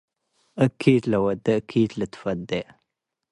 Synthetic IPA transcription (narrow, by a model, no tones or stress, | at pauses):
əkʰːit̪lɐwɐd̪ɐkʰːit̪lət̪fɐd̪e